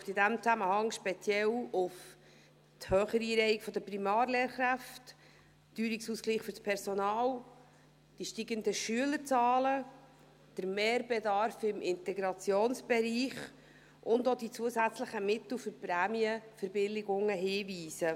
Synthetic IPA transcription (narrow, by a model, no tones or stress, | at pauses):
ftɪdæmt͡sæməhɑŋʃpɛt͡sjɛlʊf | thœːχəɾiːɾɛɪɪkfɔd̪əprimɑːɾleːɾχɾæft | d̥yːɾiksuːskliːχfʏrspʰɛɾsonɑːl | d̥iʃtiɡəndəʃyələɾt͡sɑːlə | d̥əɾmeːɾbɛdɑɾfɪmʔɪnt̪ɛɡɾɑt͡sjoːnsb̥ɛɾiːχ | ʔʊndod̥it͡suəsæt͡sləχəmɪt̪l̩fʏɾpɾæːmiəfəɾbɪlɪɡʊŋːəɦiːviːsə